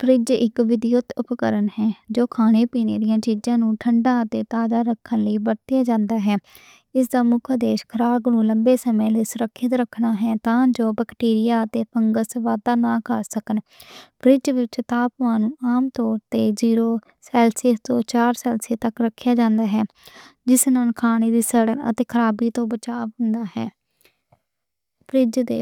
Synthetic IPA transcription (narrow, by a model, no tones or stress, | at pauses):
pɾɪd͡ʒɪkʋɪd̪ɪjʊt̪ʊpkəɾənɦɛːd͡ʒoːkʰaːneːpiːnḛːd̪ɪjãːt͡ʃiːzãːnũːʈʰəɳɖãːət̪eːt̪aːd̪aːɾəkʰːənləiːbəɾt̪ɪjaːd͡ʒãːnd̪aːɦɛː | ɪsd̪aːmʊkʰd̪eːʃkʰəɾaːɡnũːləmbeːsəmẽːleːsʊɾəkʰːɪt̪ɾəkʰːnaːɦɛːt̪ãːd͡ʒoːbəkʈiːɾɪjaːət̪eːpʰəŋɡəsʋaːd̪aːnãːkəɾsəkən | pɾɪd͡ʒʋɪt͡ʃt̪aːpʋãːnũːaːmt̪ɔːɾt̪eːziːɾoː | sɛːlseːt̪õːt͡ʃaːɾsɛːlseːt̪əkɾəkʰːɪjaːd͡ʒãːnd̪aːɦɛː | d͡ʒɪsnənkʰaːɽ̃eːd̪iːsəːɽənə̰t̪eːkʰəɾaːbiːt̪õːbət͡ʃaːʋɦʊ̃nd̪aːɦɛː | pɾɪd͡ʒd̪ḛː